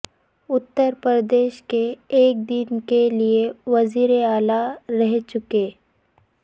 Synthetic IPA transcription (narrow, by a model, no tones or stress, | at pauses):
ʊt̪ːəɾpɾəd̪eːʃkeːk̚d̪ɪnkelieʋɐziːɾeaːlaɾɛɦt͡ʃʊkeː